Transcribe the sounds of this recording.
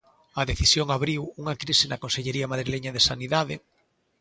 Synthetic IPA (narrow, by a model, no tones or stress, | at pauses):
ɐðeθisjoŋaβɾiwuŋakɾisɪnɐkonseʎeɾiamaðɾileɲaðesaniðaðe